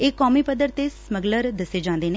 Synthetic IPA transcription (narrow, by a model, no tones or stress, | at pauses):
eːkːɔːmiːpəd̪əɾt̪esməɡləɾd̪əsed͡ʒãːnd̪eːne